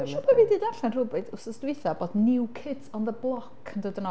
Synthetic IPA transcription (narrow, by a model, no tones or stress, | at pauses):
ʃɔpʰaviːdiːdaɬanrubɨdʊsəstwɪθaboːdnɪwkʰɪdsɔnðəblˠɔkʰəndədənɔ